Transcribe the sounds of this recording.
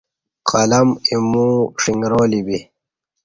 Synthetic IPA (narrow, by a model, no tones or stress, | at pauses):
qʰɐlɐmimũːʂiŋɡɾoːlibi